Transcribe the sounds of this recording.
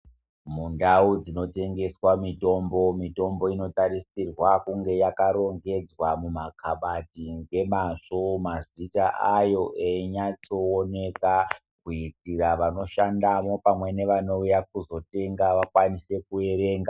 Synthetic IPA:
mundaud͡zino̞te̞ŋɡe̞swamito̞mbo̞mito̞mbo̞ino̞tarisirwakuŋɡe̞jakaɾo̞ŋɡe̞d͡zwamumakʰaɓatiŋɡe̞maʂomazitaʔajo̞ʔeɲat͡so̞ːne̞ka | kuitiraʋano̞ʃandamo̞pamwe̞ne̞ʋano̞ujak̚uzo̞te̞ŋɡaʋakwanise̞kue̞ɾe̞ːŋɡa

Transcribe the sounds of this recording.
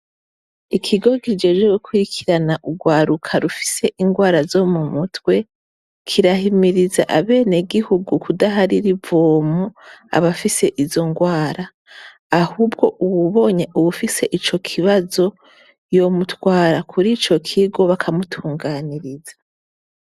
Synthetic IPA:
ikʰiɡo̞kid͡ʒe̞ːʒwe̞ɡukʰuɾikʰiɾanaʔuɡwaːɾukʰaɾufi̥se̞ʔiŋɡwaːɾazo̞mumutwe̞ | kʰiɾahimiɾizaʔaβe̞ːneɡihuɡukudaɦaɾiɾivoːmua̰βafise̞ʔizo̞ŋɡwaːɾaː | huːb̚ɡo̞ʔuβuβo̞ɲe̞ʔuβufise̞ʔit͡ʃo̞kʰiβazo̞ | jo̞mutwaːɾakʰuɾit͡ʃo̞kʰiɡo̞βakʰamutʰuːŋɡaːniɾizḁ

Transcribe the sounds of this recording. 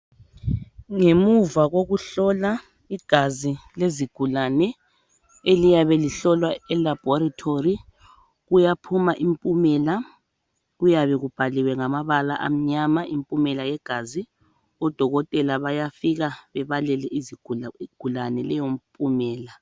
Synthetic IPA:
ŋemuvaɣoɣuɬɔla | iɡ̥ʱazileziɡ̥ʱulanɛ | elijaβɛliɬɔlwaɛlab̥ʱɔɾatʰori | ɣujapʰumaʔimpʼumɛla | ɣujaβɛɣub̥ʱaliwɛŋamaβala̰ʔa̰m̩ɲamaimpʼumɛlajɛɡ̥ʱazi | ɔd̥ʱɔɣɔtʼɛlaβajafiɣaβɛβalɛlɛiziɡʱɡ̥ʱulanɛlɛjom̩pʼumɛːla

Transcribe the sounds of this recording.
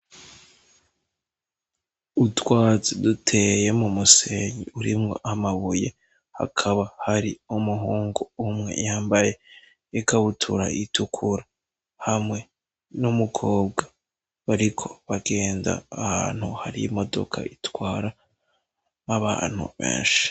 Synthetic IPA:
utwaːzidutʰe̞je̞mumuseɲiuɾimŋoʔamaβuje | ha̰kʰaβahaɾiumuɦuːŋɡoumŋe̞̰jaːmbaje̞ | ekaβutʰuɾa̰ʔitʰukʰuɾa | hamŋe̞ | numukʰo̞ːb̚ɡḁ | βaɾikʰo̞̥βaɡe̞ːnda̰ːha̰ːn̥huhaɾijimo̞do̞̰kʰa̰itwaːɾa | naβa̰ːn̥hṵβḛːnʃi̥

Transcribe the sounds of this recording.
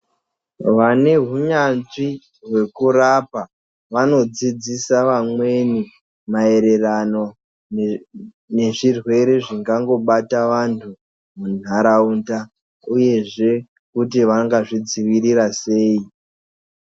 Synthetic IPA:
ʋane̞ɦuɲanʐi | rwe̞kurapa | ʋano̞d͡zid͡zisaʋamwe̞ni | mae̞ɾe̞rano̞ | ne̞ʐirwe̞ɾe̞ʐiŋɡaŋɡo̞ɓataʋantʰu | mun̤aɾaunda | uje̞ʐe̞ | kutiʋaŋɡaʐid͡ziʋiɾiɾase̞ːi

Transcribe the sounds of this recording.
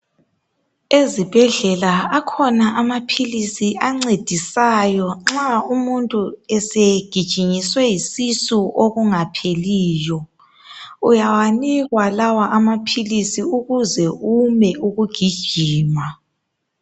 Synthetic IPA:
ezib̥ʱɛɮɛlaakʰɔnaʔamapʰilisiʔaŋ͡ǀed̥ʱisajɔŋ͡ǁaumuntʼuɛseɡ̥ʱid̥ʒ̥ʱiɲiswɛjisisuʔoɣuŋapʰeliːjɔ | ujawaniɣwalawaʔamapʰilisiuɣuzɛumɛʔuɣuɡ̥ʱid̥ʒ̥ʱiːma

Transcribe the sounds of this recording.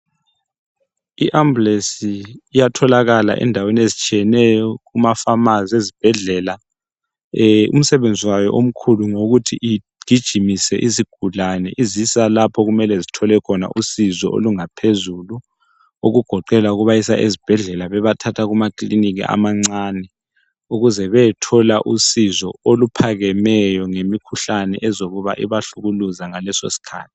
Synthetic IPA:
iʔamblesiːjatʰɔlaɣala̰ʔɛ̰ndʱaweniezit͡ʃʼijɛnɛjɔɣumafamaziezib̥ʱɛɮɛla | ṵm̩sɛβend͡zʱiwajɔʔom̩kʰuluŋoɣutʰiʔi | ɡ̥ʱid̥ʒ̥ʱimisɛ̰ʔiziɡ̥ʱulanɛʔizisalapʰɔɣumɛlɛzitʰɔlɛkʰɔna̰ʔusizɔ̰ʔo̰luŋapʰezulu | oɣuɡ̥ʱɔǃɛlauɣuβajisa̰ʔezib̥ʱɛɮɛlaβɛβatʰatʰaɣumakliniɣḭʔa̰maŋ͡ǀaːnɛ | uɣuzɛβɛɛtʰɔlaʔusizɔolupʰaɣɛmɛjɔŋemikʰuɬanɛ̰ʔɛzoɣuβa̰ʔḭβaɬuɣuluzaŋalɛso̰si̥kʰa̰ːtʰi̥

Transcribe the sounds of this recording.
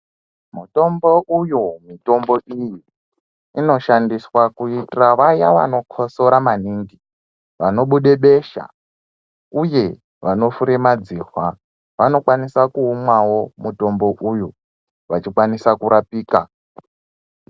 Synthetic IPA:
muto̞mbo̞ujumito̞mbo̞iji | ino̞ʃandiswakuitiraʋajaʋa̰no̞kʰoso̞ɾamaniːŋɡi | ʋano̞ɓuɗe̞ɓeʃa̰ | uje̞ | ʋano̞fuɾemad͡ziːrwa | ʋano̞kwanisakuːmwawo̞muto̞mbo̞ʔuju | ʋat͡ʃikwanisakuɾapiːka

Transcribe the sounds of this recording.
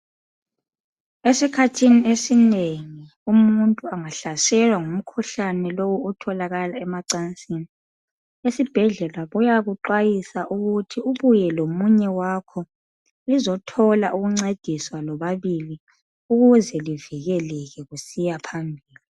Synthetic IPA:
esikʰatʰiniesineŋi | umuntʼuaŋaɬasɛlwaŋum̩kʰuɬanɛlowuutʰɔlaɣalaɛmaǀant͡sʼini | esib̥ʱɛɮɛlaβujaɣuǃajisaʔuɣutʰiuβujɛlomuɲɛwakʰɔ | lizɔtʰɔlaʔuɣuŋ͡ǀed̥ʱiswalɔβaβili | uɣuzɛliviɣɛlɛɣɛɣusijapʰambʱiːli

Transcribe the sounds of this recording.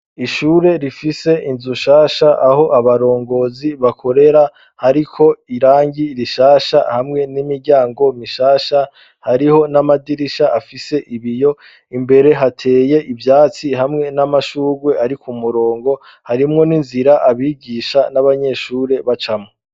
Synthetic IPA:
iʃuːɾe̞ɾifise̞ʔinzuʃaːʃaʔaɦo̞ʔaβaɾo̞ːŋɡo̞ziβakʰo̞ɾe̞ɾa | haɾikʰo̞iɾaːɲɟiɾiʃaːʃa̰hamŋe̞nimiɾɟaːŋɡo̞miʃaːʃa | haɾiho̞namadiɾiʃaʔafise̞ʔiβijo̞ | imbe̞ɾe̞ɦatʰe̞ːje̞ʔivjaːt͡sihamŋe̞namaʃuːɾwe̞aɾikumuɾo̞ːŋɡo̞ | haɾimŋo̞ninziɾaʔaβiːɡiʃanaβaɲe̞ʃuːɾe̞βat͡ʃamo

